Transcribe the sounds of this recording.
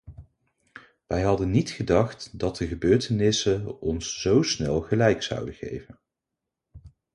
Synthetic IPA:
ʋɛjɦɑdənːitχədɑχtdɑt̚dəχəbøːɹtənɪsəɔnsz̥owsnɛlˠχəlɛjksʌ̰wdəχḛjvən

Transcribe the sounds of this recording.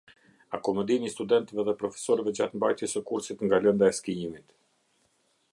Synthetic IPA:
akɔmɛd̪inist̪ud̪ɛnt̪ɛvɛðɛpɾɔfɛ̥sɔɾəvɛd͡ʑat̪mbajt̪jɛsəkuɾsit̪ŋɡalɛnd̪aɛskiimit̪

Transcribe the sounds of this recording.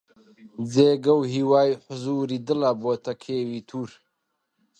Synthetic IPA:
d͡zeːɡɐwɦiːwaːjiħʊzuːɾiːd̪ɨlaboːt̪ʰɐkʰeːwiːt̪ʰuːɾ

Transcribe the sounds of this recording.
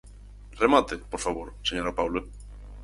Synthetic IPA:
remat̪epoɾfaβoɾseɲoɾapawle

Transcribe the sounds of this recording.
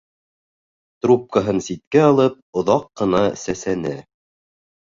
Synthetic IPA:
t̪rup̚kaɦɤnsit̪̚kæɑlˠɤp̚ŏðɑqːɤ̆nɑsæsænɘ

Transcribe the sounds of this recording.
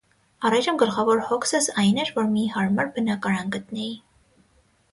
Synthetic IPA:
ɑrɑjʒəmɡəlχɑvɔɾhɔksəsɑjnɛɾvɔɾmihɑɾmɑɾbənɑkɑɾɑnɡət̪nɛji

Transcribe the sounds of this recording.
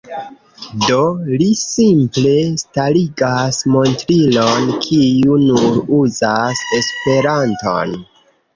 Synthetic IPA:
do̞lisimple̞staliɡasmo̞ntɾilo̞nkʰiunuɾuzase̞spe̞ɾanto̞̰n

